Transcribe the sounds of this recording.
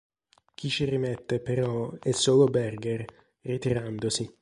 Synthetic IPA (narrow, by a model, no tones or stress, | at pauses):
k̟ʰit͡ʃirimɛt̪ːepeɾɔɛsːoːlobɛrɡer | rit̪iɾand̪osi